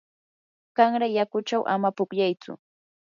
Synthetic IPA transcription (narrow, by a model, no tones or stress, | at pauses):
kɑŋɾajakʊt͡ʃawʔa̰mapʊkʎajt͡sʊ̰